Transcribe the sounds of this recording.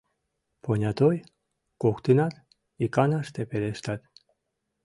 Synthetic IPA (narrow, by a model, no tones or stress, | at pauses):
ponʲɑt̪oj | kokt̪inɑt̪ | ikɑnɑʃt̪epeɾeʃt̪ɑt̪